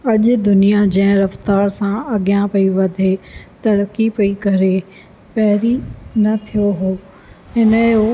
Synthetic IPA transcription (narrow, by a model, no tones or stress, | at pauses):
ɐʄʊ̆d̪ʊnijad͡ʑɐ̃ɦɪ̃ɾɐft̪aːɾsãɐɡjãpɐjũʋɐd̪ʱet̪ɐɾəkipɐikɐɾe | pɐɦɪɾinɐt̪ʰijoɦoː | ɦɪnəjo